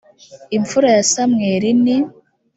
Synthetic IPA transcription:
iɱfuɾajasamŋeːɾini

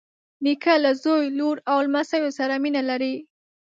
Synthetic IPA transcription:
nikalazojloɾawlmasəjosaɾaminalaɾi

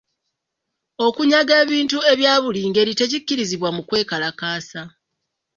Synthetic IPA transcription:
o̞kuɲaɡe̞ːβiːntue̞βjaːβuliːŋɡe̞ɾite̞cikːiɾiziβwamukwe̞ːkalakaːsa

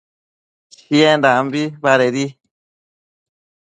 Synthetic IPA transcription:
t͡ʃiend̪ambiβaɾeɾi

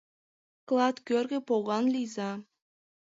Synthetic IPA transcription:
klˠɑt̪kʲørɡʲɘ̆poɣɑnlʲijzɑ

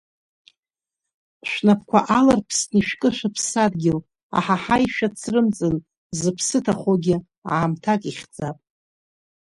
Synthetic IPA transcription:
ʃʷᶣnapʰkʷʰaʔalarpʰsniʃᶣkʼɨʃʷᶣapʰsadɡʲɪl | a̰ħaħajʃᶣat͡sʰrɨmt͡sʼɨn | zɨpʰsɨtʰaχoɡʲɪ | a̰ːmtʰakʼiχʲd͡zapʼ

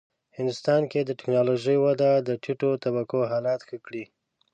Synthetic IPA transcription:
hɪnd̪ʊst̪ɑnked̪əʈɪknɑloʒəjwad̪ad̪əʈʰiʈot̪abakoɦɑlɑt̪xəkɽi

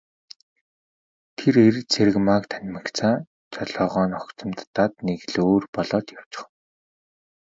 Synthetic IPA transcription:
t̪ʰeɾert͡sʰeɾɘ̆ɣmakt̪ʰæn̆ʲmə̆kt͡sʰaː | t͡ɕʰɔɮɔːʁɔːnɔkt͡sə̆mt̪ːat̪neɣ̆ɮoːrpɔɮɔːt̪jaw̥t͡ɕɪ̥̆χn

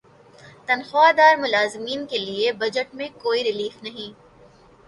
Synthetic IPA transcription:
t̪ɐnxaːd̪aːɾmʊlaːzɪmiːnkeliebɐd͡ʒəʈmẽkoːiɾɪliːfnɐɦĩː

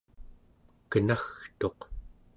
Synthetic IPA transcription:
kənaxt̪o̞q

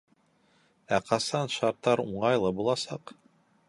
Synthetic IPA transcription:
æqɑsɑnʃɑɾt̪ːɑɾṵɴɑjlˠɤbulˠɑsɑq

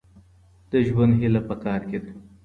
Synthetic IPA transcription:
d̪̥əʒwand̪ɦilapəkɑːɾked̪

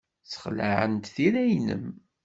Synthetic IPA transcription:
t͡sə̥χlaʕə̰nt̪θiɾæjnə̰m

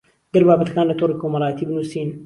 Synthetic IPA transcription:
d̪ɐɾbaːbɐt̪ɐ̥kaːnlɐt̪oɾikomɐɾˤɑːt̪ʰiːbɨnusin

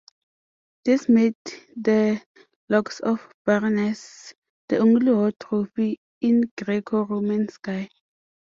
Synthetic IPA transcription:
d̥ismeddə | lɔksɔfb̥aɹnɛs | d̥əõŋliwɔtʰɹofi | ĩnɡɹekʰoɹomɛ̃nskaj

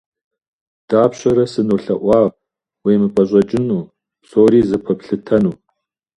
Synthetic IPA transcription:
d̥aːpɕɐɾɐsɨnuɬɐ̰ʔʷɑːʁ | wiːmɨpʼɐɕʼɐt͡ʃʼɪnuː | soːɾiːzɨpʰɐpɬɨtʰɐnuː

